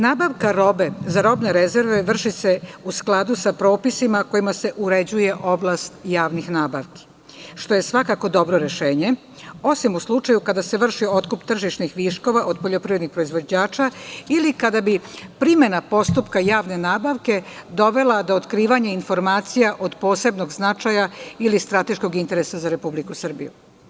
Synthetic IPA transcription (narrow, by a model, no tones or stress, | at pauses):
naːbaʋkaɾo̞bezaɾo̞bneɾeze̞ɾʋeʋr̩ʃiseusklˠad̪usapɾo̞ːpisimako̞imase̞ʔuɾe̞d͡ʑuje̞ʔo̞blast̪jaːʋnixnaːbaʋki̥ | ʃt̪o̞je̞sʋakako̞d̪o̞bɾo̞ɾe̞ʃeːɲe | o̞simuslˠut͡ʃajukad̪ase̞ʋr̩ʃio̞t̪kupt̪r̩ʒiʃnixʋiʃko̞ʋaʔo̞d̪̚po̞ʎo̞pɾiʋɾed̪nixkpɾo̞izʋo̞d͡ʑaːt͡ʃailikad̪abipɾime̞napo̞st̪upkajaːʋne̞naːbaʋke̞d̪o̞ʋe̞lad̪o̞ot̪kɾiːʋaɲeinfo̞ɾmaːt̪sijaʔo̞d̪po̞ːse̞bno̞ɡznat͡ʃajailist̪ɾat̪e̞ʃko̞ɡint̪e̞ɾesazaɾe̞publikusr̩bḭju